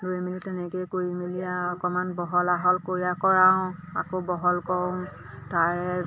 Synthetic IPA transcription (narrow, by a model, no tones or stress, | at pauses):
loimilitɛnɛkejkoɹimilijaɔkɔmanbɔɦɔlaɦɔlkoɹijakɔɹaʊ̃a̰kobɔɦɔlkɔw̃ | taɹɛ